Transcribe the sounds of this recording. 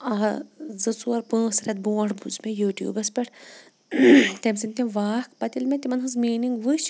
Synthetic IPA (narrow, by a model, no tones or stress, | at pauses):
ɐzɨt͡suɐɾpɨ̃ːsɾʲɐt̪̚bõːɽbud͡ʒmejuːʈjṵːbɐspʲeʈʰ | t̪emsinʲt̪ʲĩʋaːhkpɐt̪ilmẽt̪ʲimɐnɦɨzmiːniŋɡʋɨʃ